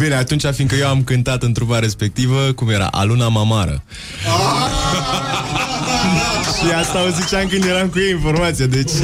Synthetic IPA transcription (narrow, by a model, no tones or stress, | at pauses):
bine̞at̪unt͡ʃʲafiŋkəjewamkɨnt̪at̪ɨnt̪ɾubaɾe̞spe̞k̚t̪ivəkumje̞ɾa̰ʔa̰lunamamaɾə̰ | ʃiast̪aozit͡ʃaŋkɨnd̪je̞ɾamkujeinfo̞rmat̪sijad̪e̞t͡ʃʲ